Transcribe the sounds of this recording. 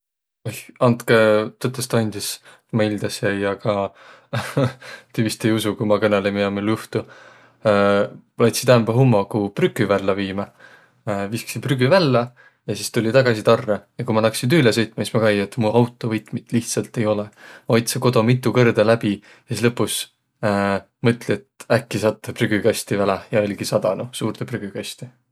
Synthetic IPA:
oɑnt̪ket̪øt̪ːˑest̪ɑnʲd̪̥is | mɑilʲd̪̥ɑsjæjɑkɑ | t̪yvist̪ejusukumɑkɤnelemiɑmiljuht̪u | lɑjt̪sit̪æːmbɑɦumːokupryɡyvælːɑviːmɑ | visksipryɡyvælːɑ | jɑsist̪ulʲit̪ɑɡ̥ɑsit̪ɑrːejɑkujmɑlɑksind̪ylesɤ̞jt̪mɑsismɑkɑjet̪muʔɑwt̪ːˑovɤjt̪mit̪ːˑliht̪sɑlt̪e̞jo̞leojt̪seko̞d̪̥o̞mit̪ˑːukɤrd̪̥elæb̥i | sislɤpːˑus | mɤt̪ˑlʲiet̪ækːisɑt̪ˑːepryɡ̥ykɑst̪ivælejɑolʲɡ̥isɑd̪ɑnusuːrt̪epryɡ̥ykɑsʲt̪i

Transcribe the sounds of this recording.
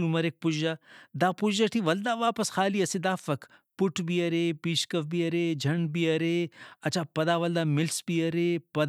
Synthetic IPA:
umɐɾeːk̚pʊad̪aːpʊd͡ʒaʈʰiʋɐld̪aːʋaːpɐsxaːliɐsid̪aːfɐk | pʊʈʰbiɐɾeːpiːʃkɐfbiɐɾeːd͡ʒʱɐɳbiɐɾeːɐt͡ʃʰaːpɐd̪aːʋɐld̪aːmɪlsbiɐɾepɐd̪

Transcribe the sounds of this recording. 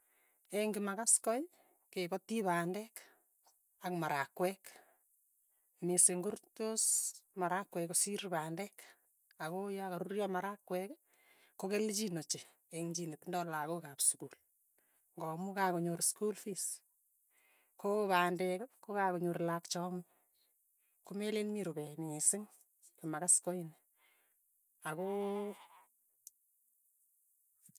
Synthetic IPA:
eŋɡimakaskɔj | kebɔtiβaːndɛk | akmaɾakwɛk | meseŋɡortosmaɾakwɛkosiɾbaːndɛk | akojakaɾurjɔmaɾakwɛk | kːokelt͡ʃinot͡ʃe | eŋd͡ʒinetndɔlakokapsukul | ŋɡɔmukakoɲoɾskulfis | kopaːndɛkkokakoɲoɾlakt͡ʃɔmu | kumelenmiɾubɛniesɪŋ | kumakaskɔin | ako

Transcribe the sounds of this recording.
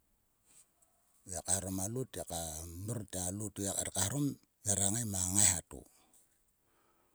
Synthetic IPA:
jakahɾomalutakamirtialutiaka̰ɾkahɾom | jaɾaŋajmaŋajhatṵ

